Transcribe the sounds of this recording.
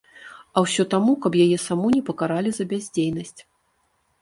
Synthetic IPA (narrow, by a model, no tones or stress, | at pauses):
ɐwsʲɔt̪amukɐpjajɛsamunʲɛpɐkaɾalʲizɐbʲazʲd͡zʲejnɐsʲt͡sʲ